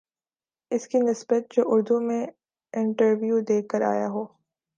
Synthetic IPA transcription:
ɪskinɪsbət̪̚d͡ʒoːʔʊɾd̪umẽ | ɪ̃ɳʈəɾʋjud̪eːkːəɾa̰ːja̰ɦoː

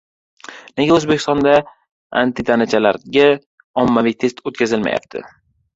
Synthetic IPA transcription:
neɡʲaɵzbekʲɪ̥st̪ɒnd̪a | a̰nt̪ɪt̪ʰanat͡ʃʰalaɾɡʲa | ɒmːavijt̪ʰe̞st̪ot̪̚kʲʰazɪlma̰ja̰p̚t̪ʰɪ̰

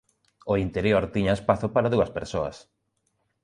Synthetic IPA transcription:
oint̪eɾjoɾt̪iɲaespaθopaɾaðuɐspeɾsoɐ̰s

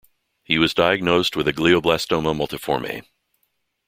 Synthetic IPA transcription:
hiwʌzdaɪɨɡ̚noʊst̚wɨðɨɡlioʊblæstoʊ̃məmʌlˠtɨfɔ̰ɹmḛɪ

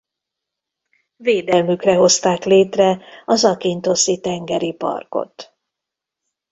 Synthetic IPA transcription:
veːd̪ɛlmykrɛɦo̞st̪aːkleːt̪rɛɒzɒkint̪o̞sit̪ɛŋɡɛɾipɒ̰rko̰t̪

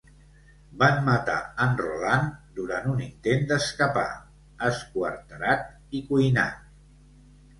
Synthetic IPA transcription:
banmət̪a̰ənrṵland̪uɾanunint̪end̪əskəpa̰ | əskuəɾt̪əɾat̪̚ | ikujna̰t̪̚

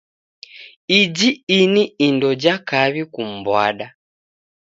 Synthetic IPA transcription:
id͡ʒiiniːndɔd͡ʒakaβikum̩bwaɗa

